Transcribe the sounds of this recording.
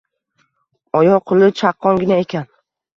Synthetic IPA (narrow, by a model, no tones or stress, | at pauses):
ɒjɒqʰʊlˠɪt͡ʃʰaqʰːɒŋɡʲɪnae̞kʲan